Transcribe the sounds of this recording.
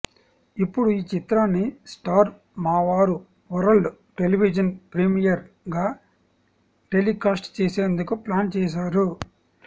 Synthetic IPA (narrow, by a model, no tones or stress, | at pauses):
ipːuɽuiːt͡ʃit̪ɾaːnːisʈaːɾ | maːʋaːɾu | ʋɐɾɐɭuʈeliʋid͡ʒɐnpɾimijɐɾ | ɡaː | ʈe̞likaːsʈt͡ʃeːseːnd̪ukuplaːnt͡ʃɛːʃ̬aːɾu